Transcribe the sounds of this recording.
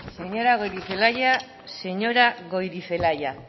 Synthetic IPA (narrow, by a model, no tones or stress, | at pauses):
se̞ɲo̞ɾaɣ̞o̞jɾife̞laja | se̞ɲo̞ɾaɣo̞jɾife̞laja